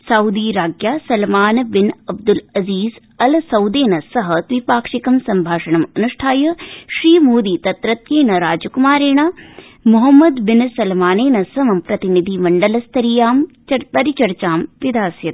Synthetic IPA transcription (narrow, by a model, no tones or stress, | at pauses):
sɐwd̪iːɾaːɡjaːsɐlmaːnbɪnɐb̚d̪ulɐziːz | ɐlsɐwd̪eːnɐsɐɦɐt̪ʋipaːkʂikɐmsɐmbʱaːʂɐɳɐmɐnuʂʈʰaːjɐʃɾiːmoːd̪iːt̪ɐt̪ɾɐt̪jeːnɐɾaːd͡ʒukumaːɾeːɳ̃a | mʊɦɐmːɐd̪bɪnsɐlmaːneːnɐsɐʋɐmpɾɐt̪inid̪ʱimɐɳɖɐlɐst̪ʰɐɾijaːm | pɐɾit͡ʃɐɾt͡ʃaːmʋid̪aːsjɐt̪